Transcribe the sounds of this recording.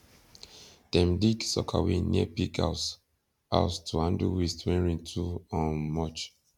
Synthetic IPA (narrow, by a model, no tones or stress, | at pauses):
d̥ɛ̃mdiksɔ̰kʰa̰winiɛpikʰa̰s | a̰ʊstʰuhãnduwistʰwɛ̃nɹĩntʰuɔ̃nmɔt͡ʃ